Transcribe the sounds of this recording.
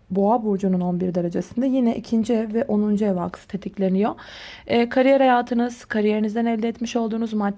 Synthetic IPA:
boabuɾd͡ʒununo̞nbiɾd̪aɾad͡ʒasɯnd̪ajinɛʔicʰind͡ʒiɛvvɛʔonund͡ʒuɛvak̪ʰɯ̥t̪ʰe̞t̪ʰiclʲe̞nijo̞ɛːkʰaɾijeɾhajaːt̪ʰɯnɯz̥kʰaɾije̞ɾinizd̪ænɛlʲd̪ɛt̪miʃo̞lˠd̪uːnuzmat̪ː

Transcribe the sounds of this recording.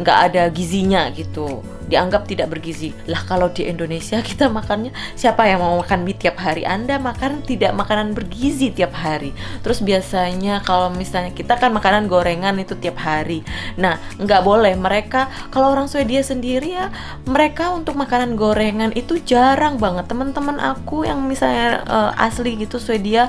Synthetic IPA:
ŋɡa̰ʔadaɡiziɲaɡit̪u | diaŋɡap̚t̪idaʔbərɡizi | lahkalawdiʔɛndonesiaki̥t̪amakanɲasiapajaŋmaumakanbit̪iap̚ɦaɾḭʔa̰ndamakant̪idaʔmakananbərɡizit̪iap̚haɾit̪əɾʊsbiasaɲakalawmisalɲakit̪akanmakananɡoɾeŋanit̪ut̪iap̚haɾinahŋɡaʔbolɛhməɾeka | kalaooɾaŋsuediasəndiɾia | məɾekaunt̪ʊk̚makananɡoɾeŋanʔit̪ud͡ʒaɾaŋbaŋət̪ːəmənt̪əmənʔa̰kuja̰ŋmisalɲaə̰ʔa̰sliɡit̪usuedia

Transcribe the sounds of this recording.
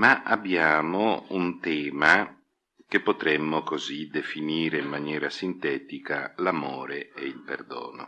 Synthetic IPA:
maʔabːjaːmount̪ɛːma | k̟epːot̪ɾɛmːokozid̪efiniːɾeimːanjɛːɾasint̪ɛːt̪ikalamoːɾeeilpḛrd̪o̰ːno̰

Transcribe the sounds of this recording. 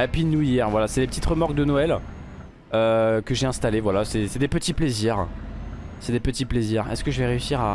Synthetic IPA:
apɥinuijɛʁvwalasɛlepət̪it̪ʁəmɔʁk̚d̪ənoɛl | økəʒeɛ̃st̪alevwalasɛsɛd̪epət̪ipleziʁ | sɛd̪epət̪ipleziʁɛ̰skəʒəvɛʁeysiʁa

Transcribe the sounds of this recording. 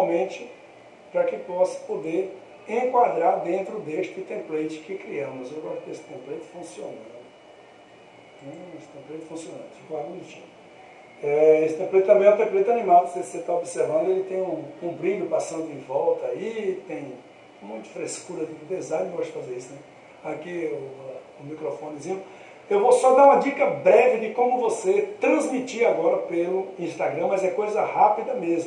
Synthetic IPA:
awmẽt͡ʃɪ | pɾɐkɪpɔsɐ̥pod̪e | ẽkwad̪ɾad̪ẽnt̪ɾʊd̪eʃt̪ɪt̪ẽmplejt͡ʃɪ̥kɪkɾiɐ̃mʊzewɡɔʃt̪ʊd̪esɪ̥t̪ẽmplejt̪ɪ̥fũsionɐ̃d̪ʊ | ẽesɪ̥t̪ẽmplejt͡ʃ̪ʊ̥fũsiõnɐ̰̃nd̪ʊikwamũt͡ʃḭ̃ | ɛesɪ̥t̪ẽmplejt̪t̪ɐ̃bẽj̃ɛ̃t̪ẽmplejt̪anĩmad̪ʊseset̪aobiseɾvɐ̃nd̪ʊelɪt̪ẽj̃ũkũmpɾĩd̪ʊpast̪ɐ̃t̪ɪ̃vɔwt̪ɐit̪ẽj̃ | mũj̃t̪ɪ̥fɾeskuɾɐdɪɪb̪ezãjvaʃɪ̥fazeɾisʊnɛ | akiʊ | ʊmikɾɔfõnɪd͡ʒizĩʊ | ewvosɔd̪aũmɐd͡ʒikɐbɾɛvɪd̪ɪkõmʊvoset̪ɾɐ̃zmit͡ʃiɾaɡɔɾɐpelʊĩst̪aɡɾɐ̃mɐzɛkojzɐhapid̪ɐmezmʊ

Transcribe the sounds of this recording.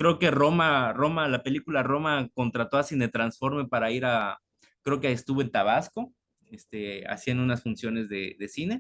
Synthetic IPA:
kɾe̞oke̞romaro̞malape̞likularo̞mako̞nt̪ɾat̪oasinet̪ɾansfo̞ɾme̞paɾaiɾa | kɾe̞okeest̪uβoent̪aβasko̞ | est̪ea̰siend̪ounasfunsjo̞ne̞zðeðe̞sine̞

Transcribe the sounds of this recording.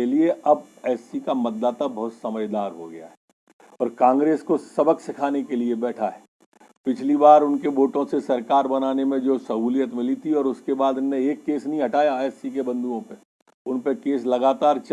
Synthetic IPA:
elieɐbɛːsikamɐt̪̚d̪aːt̪abɐɦʊt̪sɐməd͡ʒd̪aːɾɦoɡɐja̰ɦɛ | ɔːɾkãːŋɡɾeːskosɐbəksɪkʰaːnekeliebɛːʈʰaɦɛː | pɪt͡ʃʰlibaːɾʊnkeboːʈõsesɐɾkaːɾbɐnaːnemẽd͡ʒoːsɐɦuːlijət̪mɪlit̪ʰiɔːɾʊskebaːd̪ʊnːẽeːkːeːsnɐɦĩɦɐʈaːjasik̬ebɐ̃nd̪uõpe | ʊnpekeːs̬lɐɡaːt̪aːɾt͡ʃ

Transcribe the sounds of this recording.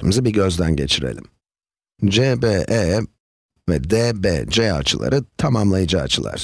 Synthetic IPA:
mizibiɟø̞zd̪ænɟe̞t͡ʃʰiɾe̞̰lʲim | d͡ʒeːbeːʔɛ | vɛd̪eːbɛ̰ːd͡ʒɛa̰t͡ʃʰɯlˠa̰ɾʔɯt̪ʰamamlˠajɯd͡ʒaːt͡ʃʰɯlˠa̰ɾ̥

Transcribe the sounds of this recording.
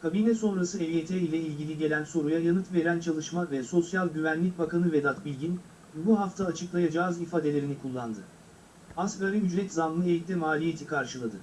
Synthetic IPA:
kʰabinɛso̞nɾasɯɛvjet̪ʰɛilʲɛilʲɟilʲiɟe̞lʲænso̞ɾujajanɯt̪ve̞ɾænt͡ʃʰalˠɯʃmavɛso̞sjalˠɟyvænlʲic̚bakanɯvɛd̪at̪bilʲɟin | buɦaft̪ʰaːt͡ʃʰɯklˠajad͡ʒaːzifaːd̪e̞lʲe̞ɾinikʰulˠːand̪ɯ | askaɾɯɦyd͡ʒɾɛt̪zanlˠɯejit̪d̪ɛmaːlʲije̞t̪ʰikʰaɾʃɯlˠad̪ɯ

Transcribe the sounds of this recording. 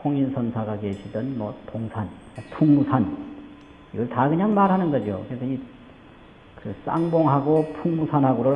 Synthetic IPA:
oŋinsʰʌnsʰaɡakeɕʰidɯnmʌ̰toŋsʰan | pʰuŋmusʰan | iɡʌɭtakɯɲaŋmaɾɦanɯnɡʌd͡ʑokɯesʰʌi | kɯs͈a̰ŋboŋɦaɡopʰuŋmusʰanɦaɡoɾo

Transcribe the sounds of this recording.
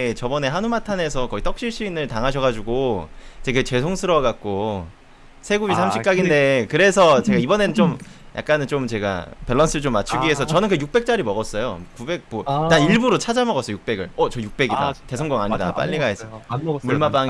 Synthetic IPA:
et͡ɕʌbʌne̞ɦanumatʰane̞sʰʌkʌit͈ʌk̚ɕ͈iɭɕ͈iinɯɭtaŋɦaɕʰʌɣad͡ʑuɡot͡ɕeɡet͡ɕe̞sʰoŋsʰɯɾʌɡak̚k͈o | sʰe̞ɡuisʰamɕʰi̥k͈aɡinde̞kɯɾe̞sʰʌt͡ɕe̞ɡaibʌne̞nɯnt͡ɕ͈om | jʔa̰k͈anɯnt͡ɕomt͡ɕe̞ɡa̰peɭːʌns͈ʰɯɭt͡ɕomːat͡ɕʰuɡie̞s̬ʰʌt͡ɕʌnɯnkɯjuk̚p͈e̞k̚t͡ɕ͈aɾimʌɣʌs͈ʌjokube̞k̚motaiɭbuɾot͡ɕʰad͡ʑamʌɡʌs͈ʌojuk̚p͈e̞ɡɯɭʌt͡ɕʌjuk̚p͈e̞ɡida̰te̞sʰʌŋɡʌŋaɲida̰p͈a̰ʎːiɡaesʰʌmuɭmap͈aŋ

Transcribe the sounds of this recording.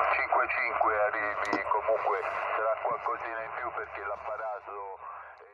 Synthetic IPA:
t͡ʃiŋkwet͡ʃiŋkweariːvikomuŋkwesaɾakwalkɔziːnaimpjuperkelapːaɾaːzo | ɛ

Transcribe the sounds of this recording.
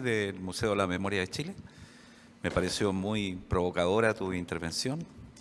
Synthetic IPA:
ðelmuseoelamemo̞ɾjaðet͡ʃile | mepaɾesjomujpɾo̞βokaðo̞ɾat̪uint̪eɾβensjon

